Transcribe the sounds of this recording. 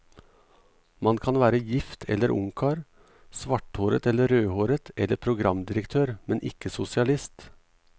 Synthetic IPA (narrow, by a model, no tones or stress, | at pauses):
mɑnkʰɑnʋæːɾəjɪft̪ʰɛ̰ləɾʔʊ̰ŋkʰɑːɾ | sʋɑʈhoːɾə̰t̪ɛlːəɾøːhoːɾət̪ʰʔɛlːəɾpʰɾʊɡɾɑmd̪ɪɾəkt̪ʰøːɾmɛnʔɪ̰kəsʊsɪɑlɪst̪